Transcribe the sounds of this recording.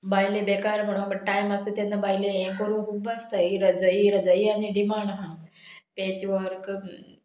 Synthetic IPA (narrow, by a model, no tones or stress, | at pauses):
bajlebekaɾm̤əɽ̃uːnbəɽʈajməst̪ət̪enːəbajleẽkəɾũːnkʰuːbast̪əiɾəd͡zəiɾəd͡zəianiɖimaɳɖɦã | pet͡ɕʋəɾk